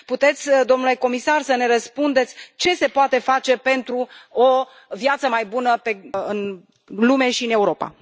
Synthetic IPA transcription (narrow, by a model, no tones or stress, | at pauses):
put̪e̞t̪sʲd̪o̞mnule̞ko̞misarsəne̞ɾəspund̪et̪sʲt͡ʃe̞se̞poat̪e̞fat͡ʃe̞pe̞nt̪ɾuo | vjat̪səmajbunəpe̞ɨn | lume̞ʃiɨne̞uɾo̞pa̰